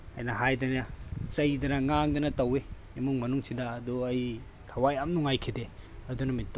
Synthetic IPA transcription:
ɐjnɐɦajdɐnɐsɐjdɐnɐŋaŋdɐnɐtɐweː | muŋmɐnuŋsidɐːduɐj | tʰɐwajamnuŋajkʰideɐdunɐmitː

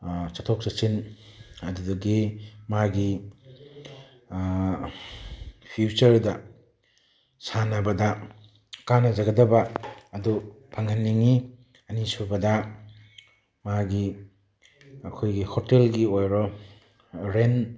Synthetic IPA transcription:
t͡ʃatʰɔk̚sɐt͡ʃinɐdudɐɡimaɡi | pʰiut͡ʃɐɾdɐ | sanɐbɐdɐ | kanɐzɐɡɐdɐbaːdupʰaŋɐnːiŋi | ɐnisubɐdɐ | maɡi | ɐkʰojɡihɔtelɡiojɾɔ | ɾen

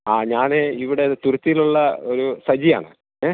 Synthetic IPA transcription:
aːɲaːneiʋiɽe̞t̪urut̪ːijiluɭːɐoɾusɐd͡ʑija̰ːɳɨ̰ | e

